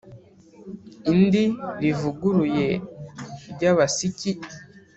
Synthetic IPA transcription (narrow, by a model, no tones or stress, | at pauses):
indiɾivuɡuɾuje̞ | ɾɟaβasici